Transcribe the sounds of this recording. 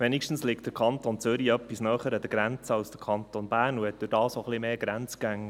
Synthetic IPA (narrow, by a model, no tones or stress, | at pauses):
ʋɛnikʃtən̩slɪktd̥əɾkʰɑnt̪ont͡sʏɾiœpːisnœːχəɾəd̥̪əɡ̥ɾɛnt͡səɑlsd̥əkʰɑnt̪onb̥æːnuɛt̚d̥ʉd̥ɑːsoχlimeːɡɾɛnt͡skæŋː